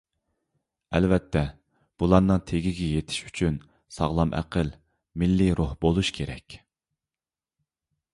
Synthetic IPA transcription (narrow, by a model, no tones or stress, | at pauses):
ɛlvɛt̪ʰːɛ | b̥ulˠɑɾnɨŋt̪ʰeɡʲiɡʲɛjet̪ʰɪ̥ʃy̥t͡ʃʰyn | sɑ̰ʁlˠɑmʔæ̰qʰəl | mɪlːiɾʔohbolˠuʃkʲʰeɾɛ̰kʲ